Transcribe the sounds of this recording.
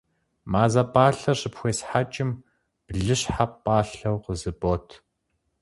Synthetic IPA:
maːzɐpʼaːɬɐɕɨpxʷeːsħat͡ʃʼɪm | b̥ɮɨɕħapʼːaːɬɐwqəzɨboːtʰ

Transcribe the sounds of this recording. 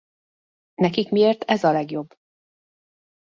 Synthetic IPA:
nɛkikmieːrt̪ɛzɒlɛɡjo̞bː

